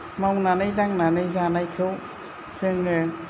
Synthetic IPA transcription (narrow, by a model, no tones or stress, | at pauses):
mawnanɯjdaŋnanɯjzanajkʰɯw | sɯŋɯ